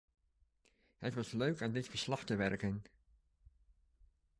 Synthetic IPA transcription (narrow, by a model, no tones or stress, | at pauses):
ɦətʋɑsløɥkamdɪtfəɹslɑχtəʋɛɹkən